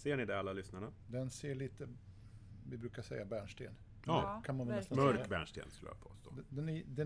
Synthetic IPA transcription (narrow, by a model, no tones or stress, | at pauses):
seːɳɪd̪ɛalːalʏsnaɳad̪ɛnseːɭiːt̪ə | vɪbɾʉ̟ːkaʂɛ̰jːabæːɳʂʈ̪ḛːn | ɑkʰanmanɛlɛst̪nmœɾkːbæ̰ːɳʂt̪ḛːnskɵl̰ja̰pʰo̰ːst̪o̰ːɛd̪ɛnd̪ɛ